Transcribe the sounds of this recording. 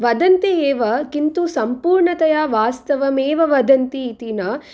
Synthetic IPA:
ʋɐd̪ɐnt̪eeːʋɐkint̪usɐmpuːɾɳɐt̪ɐjaːʋaːst̪ɐʋɐmeːʋɐʋɐd̪ɐnt̪iːt̪inɐ

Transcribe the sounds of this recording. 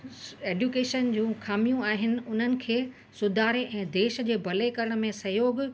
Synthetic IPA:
eːɖjukeːʃənd͡ʑũːxaːmijũaːɦɪnɪ̆ʊn̤ənɪ̆kʰeː | sʊd̪ʱaːɾeʔɛ̃ːd̪eːʃd͡ʑeːbʱɐlekɐɾəɽ̃̆mẽsɐɦjoːɡ

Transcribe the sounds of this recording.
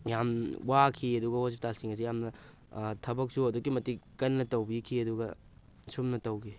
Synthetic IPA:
jamwakʰiɐduɡɐhospi̥talsiŋɐzijamnɐ | tʰɐbɐk̚suɐdukːimɐtikɐnːɐtɐwbikʰiɐduɡɐ | sumnɐtɐwɡi

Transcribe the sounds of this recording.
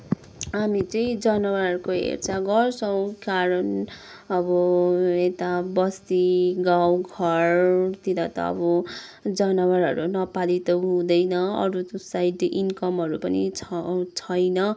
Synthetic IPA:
ɦamit͡sʌĩd͡zʌnʌwaɦʌrɾukoɦḛrt͡saɡʌrsʌw̃kaɾʌn | ʌbʌet̪abʌst̪iɡawɡʱʌrt̪id̪ʌt̪ʌ̰ʌ̰bʌd͡zʌnʌwaɾɦʌ̰ɾunʌpalit̪ʌɦũd̪ʌjnʌʌ̰ɾusajʈʔinkʌmɦʌɾupʌnḭt͡sʰʌjnʌ

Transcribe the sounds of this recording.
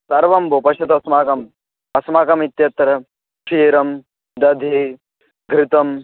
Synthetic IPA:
sɐɾʋɐmbopɐʃɐt̪ɐsmaːkɐm | ɐsmaːkɐmit̪jɐt̪ɾɐ | ʃiːɾɐm | d̪ɐd̪ʱi | ɡɾɪt̪ɐm

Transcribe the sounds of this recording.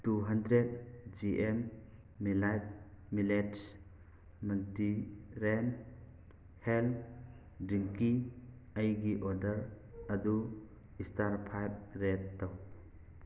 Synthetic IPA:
tuɦandɾet̚d͡ʒiʔemː | ilajt̚ | milets | mantiɾen | hel | dɾiŋkiajɡiʔɔɾdəɾ | ɐdu | istaɾpʰajb̚ɾet̚ːaw

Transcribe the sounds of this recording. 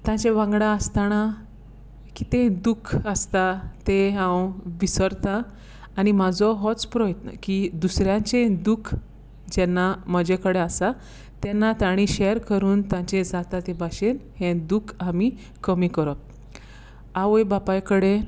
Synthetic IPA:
t̪ãt͡ɕeʋãŋɡɽãəst̪aña | kit̪ẽd̪ukʰəst̪at̪eɦãwʋisəɾt̪aː | ɽimad͡zɔɦɔt͡spɾɔjət̪nə̰kid̪usɾjãt͡ɕẽd̪ukʰ | d͡ʑɛnːaməd͡ʑekəɽeasa | t̪ɛnːat̪aɽ̃iɕeɾkəɾuːnt̪ãt͡ɕed͡zat̪at̪ebaɕenhẽd̪ukʰami | kəmikəɾɔp̚ | aʋəjbapajkəɽe

